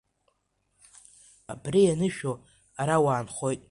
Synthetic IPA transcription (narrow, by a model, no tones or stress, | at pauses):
a̰brijanɨʃᶣo | aɾawaːnχo̞jtʼ